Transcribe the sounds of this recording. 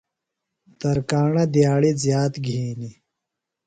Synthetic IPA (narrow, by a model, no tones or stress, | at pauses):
t̪ɐɾkaːɳɐd̪jaːɽizjaːt̪ɡʱiːni